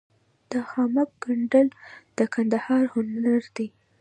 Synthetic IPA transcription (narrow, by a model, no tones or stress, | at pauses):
d̪̥əxɑmak̚ɡ̥aɳɖəld̪̥əkʰand̪ahɑɾhʊnaɾd̪i